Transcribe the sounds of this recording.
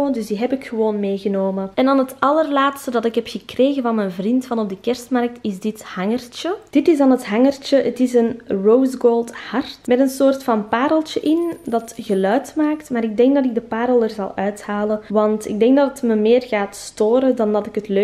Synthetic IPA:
ndʏzdiːɦɛpɪkxəʋoːnmeːɣənoːmənɛndɑnɦətɑlərlaːtstədɑtɪkɦɛpxəkreːɣənvɑnmɛnvrintfɑnɔb̚dəkɛrstmɑrk̚tɪzdɪthɑŋərt͡ʃəd̥ɪtɪzdɑnɦətɦɑŋərt͡ʃəətɪzənrowzɡoːlˠthɑrtmɛtənsoːrtfɑnpaːɾəlˠt͡ʃəʔɪndɑtɣəlœɥtmaːktmaːɾɪɡ̚dɛŋk̚dɑtɪɡ̚dəpaːɾəlˠərzɑ̰lˠœɥthaːləʋɑntɪ̰ɡ̚dɛŋɡ̚dɑtətməmeːrɣaːtstoːɾədɑndɑtɪkɦətlø

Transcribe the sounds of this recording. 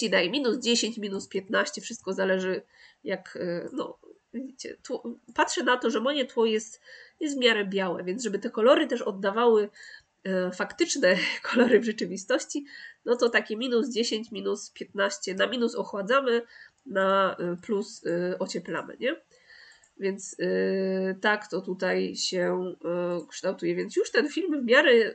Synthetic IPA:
id̪ajɛmʲinuzd͡ʑeɕeɲt͡ɕmʲinuspʲjɛt̪naɕt͡ɕɛfʂɘst̪̚kɔzalɛʐɘ | jaknɔ̰ | vʲid͡ʑit͡ɕɛ̰t̪wɔpat̪ʂɛnat̪ɔʐɛmɔɲɛt̪wɔjɛst̪jɛst̪vmʲjaɾɛbʲjawɛ̰vʲjɛnzʐɛbɘt̪ɛkɔlɔɾɘt̪ɛʂɔd̪ːavawɘ | fakt̪ɘt͡ʂnɛkʰɔlɔɾɘvʐɛt͡ʂɘvʲist̪ɔɕt͡ɕinɔt̪ɔt̪akʲɛmʲinuzd͡ʑeɕeɲt͡ɕmʲinuspʲjɛt̪naɕt͡ɕɛnamʲinusɔxwad̪zamɘnaplusɔt͡ɕɛpla̰mɘ̰ɲɛ | vʲjɛnt̪s | t̪akt̪ɔt̪ut̪ajɕɛ | kʂt̪awt̪ujɛvʲjɛntsjuʂt̪ɛnfʲilmvmʲjaɾɛ

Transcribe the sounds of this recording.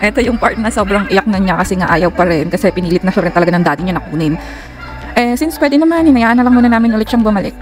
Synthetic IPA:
ʔɛt̪o̞jʊŋpaɹt̪̚nɐso̞ːbɾɐŋʔɪjɐk̚nɐnɲakɐsɛŋɐʔaːjɐwpɐɾɛnkɐsɛpɪniːlɪt̪nɐʃɐɾɛnt̪ɐlɐɡanɐŋd̪aːt̪ɪɲanɐkuːnɪn | ʔɛsɪnspwɛːd̪ɪnɐmanɪnɐjaːʔɐnɐlɐŋmuːnɐnaːmɪnʔʊlɛt̪ʃaŋbʊmɐlɪk̚

